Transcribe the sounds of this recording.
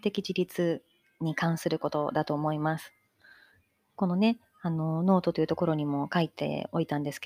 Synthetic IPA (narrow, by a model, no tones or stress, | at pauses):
t̪e̞kʲid͡ʑiɾʲit͡sɨ | ɲ̟ikãɰ̃sɨɾɯ̟ko̞t̪o̞̰d̪at̪o̞ːmo̞imasɨ̥ | ko̞no̞ne̞ | ano̞no̞ːt̪o̞t̪o̞jiɯ̟t̪o̞ko̞ɾo̞ɲ̟imo̞kait̪e̞̰o̞it̪ãnd̪e̞sɨ̥ke